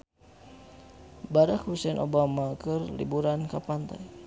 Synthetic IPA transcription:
baɾakhusɛnʔo̰bamakərlḭbuɾankapant̪a̰j

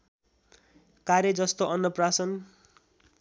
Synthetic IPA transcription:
kaɾjʌd͡zʌst̪oʔʌnːʌprasʌn

